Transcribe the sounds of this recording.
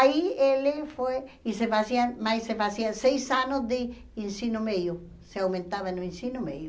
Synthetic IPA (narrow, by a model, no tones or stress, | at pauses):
ielefojisefasiamajsefasiasejsanʊzd̪ɪ | insinomejʊ | seawmẽnt̪aβanoĩnsinʊmejʊ